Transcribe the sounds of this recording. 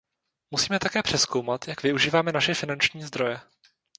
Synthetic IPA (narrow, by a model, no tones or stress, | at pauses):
musiːmɛt̪akɛːpr̝̥ɛsko̞wmat̪jakvɪuʒiːvaːmɛnaʃɛfɪnant͡ʃɲiːzd̪ɾo̞jɛ